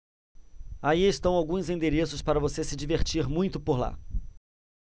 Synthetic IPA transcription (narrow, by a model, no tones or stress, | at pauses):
aiɪst̪ɐ̃w̃awɡũzẽnd̪eɾesʊspaɾɐvosesɪd͡ʒiveɾt͡ʃiɾmũj̃t̪ʊpoɾla̰